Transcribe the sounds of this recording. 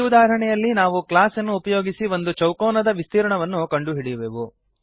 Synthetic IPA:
ud̪aːɾɐɳɛjɐlːinaːʋuklaːsɐnːuːpɐjoːɡisiʋo̞nd̪ut͡ʃɐwkɔːnɐd̪ɐʋist̪iːɾɐɳɐʋɐnːukɐɳɖuɦiɽijʋeːʋu

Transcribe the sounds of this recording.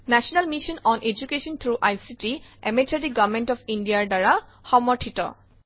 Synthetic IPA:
nɛsɔnalmiʃɔnɔnʔed͡ʒukeʃɔnt̪ʰɹuʔajsitiɛmetadiɡavmentɔfʰindiaɹdaɹaxɔmɔɹʈʰitɔ̰

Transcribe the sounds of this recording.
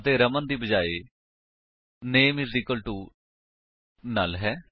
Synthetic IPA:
ət̪eːɾəmənd̪iːbəd͡ʒaːeː | neːmɪziːkəlʈuː | na̰ːlɦɛː

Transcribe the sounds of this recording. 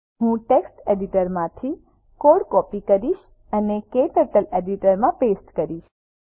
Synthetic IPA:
ɦũʈeksʈeɖiʈəɾmãt̪ʰi | koɽkɔpikəɾiʃ | ənekeʈəʈəleɖiʈəɾmãpesʈkəɾiʃ

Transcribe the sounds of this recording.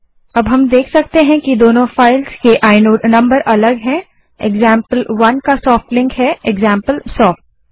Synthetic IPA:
ɐbɦɐmd̪eːkʰsɐk̚t̪eɦɛ̃kid̪oːnõfaːɪlzkeʔaːɪnoːɖnɐ̃mbəɾʔɐləɡɦɛ̃ | ḛɡzãːmpəlʋɐnkasɔːfʈlɪ̃ŋkɦɛeɡzãːmpəlsɔːfʈ̚

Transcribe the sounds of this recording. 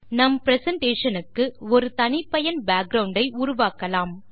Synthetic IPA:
nɐmpɪɾɛsɐɳʈeːʂɐnɯkːɯɔɾɯt̪ɐnɪpːɐjɐnbaːk̚ɡɾɐʊɳɖɐɪʔuɾʊʋaːkːɐlaːm

